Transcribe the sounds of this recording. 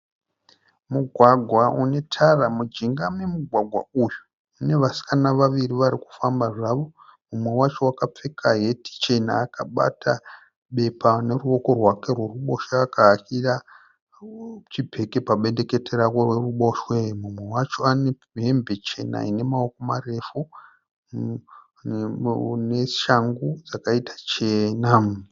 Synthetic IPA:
muɡʱwaɡʱwaune̞tʰaramud͡ʒiŋɡame̞muɡʱwaɡʱwa̰uju | une̞ʋasi̥kanaʋaʋiriʋaɾiku̥fambaʐaʋo̞mumwe̞wat͡ʃo̞wakap͡fe̞kʰaɦe̞ti̥t͡ʃe̞na̰ːkaɓa̰tʰa | ɓe̞pane̞ruo̞ko̞rwake̞rwe̞ruɓo̞ʃaːkaɦakira | t͡ʃibʱe̞ke̞paɓe̞nde̞ke̞teɾaworweruɓo̞ʃwemumwewat͡ʃo̞ane | ɦe̞mbe̞t͡ʃe̞na̰ine̞mao̞komare̞fu | ne̞ʃaŋɡud͡zakaitḁt͡ʃenam

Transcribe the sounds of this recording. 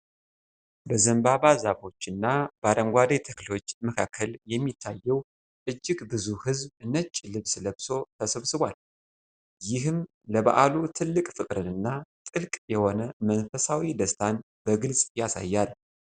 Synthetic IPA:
bəzəmbabazaβo̞t͡ʃːɨnːab̥aɾəŋɡʷad̪et̪ʰəklo̞t͡ʃːməkʰakʰːəljɛmːit̪ʰːajːɛw | ʔɨd͡ʒːɪɡbɨzuhɨzbɨnət͡ʃʼːlɨβsləβso̞t̪ʰəsəβsɨβwal | jɪhɨm | ləba̰ʔalut̪ʰɨlːɨkʼfɨkʼɾɨnɨnːat̪ʼɨlkʼjɛho̞nəmənfəsawid̪əst̪ʰan | bəɡɨlsʼjasa̰jːal

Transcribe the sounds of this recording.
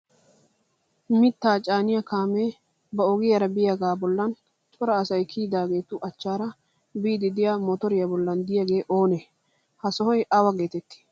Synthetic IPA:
mɪt̪ːaːt͡ʃʼaːnɪjakaːmeː | bɐɔɡɪjɐɾɐbɪjaɡaːbɔlːɐn | t͡ʃʼɔɾɐːsɐjkʰiːd̪aːɡe̞ːt̪ʊʔɐt͡ʃːaːɾɐ | biːd̪ɪd̪ɪjamɔt̪ɔɾɪjɐbɔlːɐnd̪ɪjɐɡe̞ːʔo̞ːne | hɐsɔhɔjʔɐwɐɡe̞ːt̪ɛt̪ːɪ̥

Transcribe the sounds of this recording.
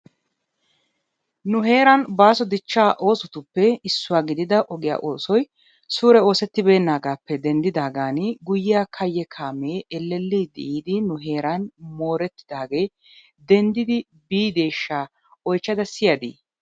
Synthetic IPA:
nʊɦe̞ːɾɐnbaːsɔd̪ɪt͡ʃːaːʔo̞ːsʊt̪ʊpːɛɪsːʊwaːɡɪd̪ɪd̪ɐʔɔɡɪja̰ːʔo̞ːsɔj | suːɾɛo̞ːsɛt̪ːɪbe̞ːnːaːɡaːpːɛd̪ɛnd̪ɪd̪aːɡaːnɪɡʊjɪjaːkʰɐjːɛkʰaːmeːɛlːɛlːid̪ɪʔiːd̪ɪnʊɦe̞ːɾɐnmo̞ːɾɛt̪ːɪ̥d̪aːɡe̞ː | d̪ɛnd̪ɪd̪ɪ | biːd̪e̞ːʃːaː | ɔjt͡ʃːɐd̪ɐsɪjɐd̪ḭː

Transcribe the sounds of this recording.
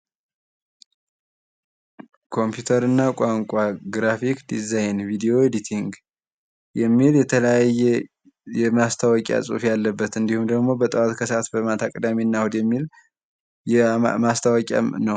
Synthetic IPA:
kʰo̞mpjut̪ʰəɾɨnːakʷʼaŋkʷʼaɡɾafikd̪izajnvid̪ijo̞ed̪it̪ʰiŋɡ | jɛmːiljɛt̪ʰələjajːɛ | jɛmast̪ʰawɔkʼa̰sʼṵfjalːəbːət̪ɨnd̪ihumd̪əɡmo̞bət̪ʼəwat̪kʰəsat̪bəmat̪ʰakʼəd̪amenːahod̪jɛmːil | ɛmast̪ʰawɔkʼa̰mnəw

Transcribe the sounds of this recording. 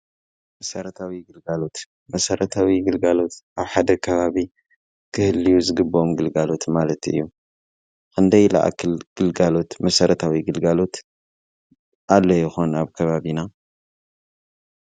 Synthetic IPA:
mɐsɐɾɐt̪ʰawiɡɨlɡalo̞t̪ | mɐsɐɾɐt̪ʰawiɡɨlɡalo̞t̪ʔaβħad̪ɐkʰɐβaβi | kʰɨhɨlːijuzɨɡɨbːomɡɨlɡalo̞t̪malɐt̪ɨ̰jːu | kʰɨnd̪ɐjla̰ʔa̰kʰɨlɡ̥ɨlɡalo̞t̪mɐsɐɾɐt̪ʰawiɡɨlɡalo̞t̪ | ʔalːojɪxonaβkʰɐβaβina

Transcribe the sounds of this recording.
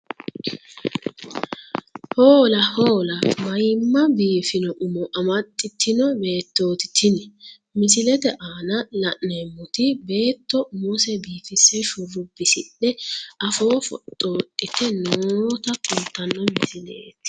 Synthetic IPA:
hoːlɐhoːlɐmɐjmːɐbiːfɪnɔʔʊmɔʔɐmɐt̪ʼːɪt̪ːɪnɔbe̞ːt̪ːoːt̪ɪ̥t̪ʰːɪnɛ | mɪsɪlɛt̪ɛʔaːnɐʔlɐʔnɐjmʊt̪ɪbe̞ːt̪ːɔmusɛbiːfɪsɛʃʊrʊbːɪsɪɗɛʔɐfo̞ːfɔ̰t̪ʼːo̞ːtʼːɪt̪ɛnoːt̪ɐkʼʊnt̪ːɐnːɔmɪsɪlḛːt̪

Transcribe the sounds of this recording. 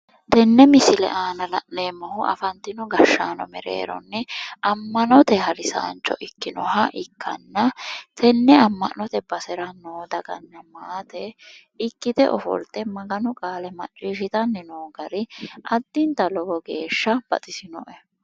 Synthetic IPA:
t̪ɛnːɛmɪsɪlɛ̰ʔaːnɐlɐ̰ʔneːmːɐhʊʔɐ̰fɐnt̪ːɪnɔɡɐʃːaːnɔ̰mɛɾḛːɾɔ̰nːɛʔɐmːɐnɔt̪ɛhɐɾɪsa̰ːnt͡ʃːɔ̰ʔɪkːɪnɔhɐʔɪkːɐ̰nːɐt̪ʰɛnːɛɐmːɐ̰ʔɔt̪ɛb̥ɐsɛɾɐnoːd̪ɐɡɐnːɐmaːt̪ɛ | ɪkːɪd̪ɛ̰ʔɔfɔ̰lt̪ɛmɐɡɐnʊkʼaːlɛmɐ̰t͡ʃʼːiːʃɪt̪ɐnːɪnoːɡɐɾɪʔɐd̪ːɪnt̪ɐlɔbɔɡe̞̰ːʃːɐb̥ɐ̰t̪ʼɪsɪnɔʔɛ

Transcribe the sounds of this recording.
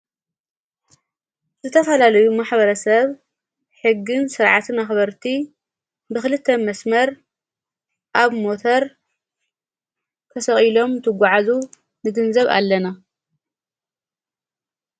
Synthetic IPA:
z̥ɨt̪ʰɐfɐlalɐjumaħbɐɾɐsɐβ | ħɨɡːɨnsɨɾʕat̪ʰɨnaxbɐɾt̪ʰi | bɨxɨlɨt̪ʰːɐmɐsmɐɾ | ʔaβmo̞t̪ʰɐɾ | k̪ʰɐsɐχʼilo̞mt̪ʰɨɡʷaʕazu | nɨɡɨnzɐβa̰lːɐna

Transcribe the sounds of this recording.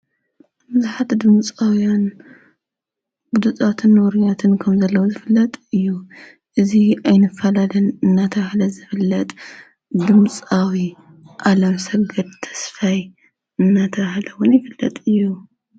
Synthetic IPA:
bɨzɨħat̪ʰd̪ɨmt͡sʼawjan | ɡ̥ud̪ɨt̪ʼat̪ʰɨnwɔɾijat̪ʰɨnkʰɐmzɐlːɐwuzɨfɨlːɐt̪ʼɨjːu | ʔɨziajnɨfːɐlalɐnɨnːat̪ʰɐβhlɐzɨfɨlːɐt̪ʼ | d̪ɨmt͡sʼawi | ʔalɐmsɐɡɐd̪̚t̪ʰɐ̥sfaj | ɨnːat̪ʰɐβhlɐwʊnjɪfɨlːɐt̪ʼɨjːu

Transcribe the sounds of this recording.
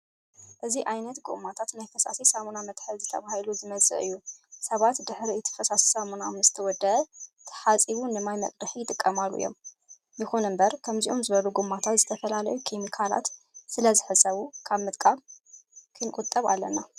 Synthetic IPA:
ʔɨziʔajnɐt̪ɡṵʔmat̪ʰat̪najfɐsa̰sisamunamɐt̪ħɨlzɨt̪ʰɐ̰βahiluzɨmɐzʼɨ̰ʔɨjːusɐβat̪d̪ɨħɾiɨt̪ʰɨ̥fɐsasi̥samunamzɨt̪ʰɐwɔd̪ːɐʔɐt̪ʰːɐ̥ħat͡sʼiβunɨmajmɐ̰kʼd̪ɨħijɪt̪ʼɨkʼːɐmalːṵjːo̞̰m | jɨxunɨmbɐɾkʰɐmziʔo̞mzɨβɐluɡumːat̪ʰat̪zɨt̪ʰɐfɐlalɐjukʰemikʰala̰t̪ | sɨlɐzɨħɨsʼɐβukʰaβmɨt̪ʼkʼaβ | kʰɨnkʼut̪ʼːɐβa̰lːɐ̰na

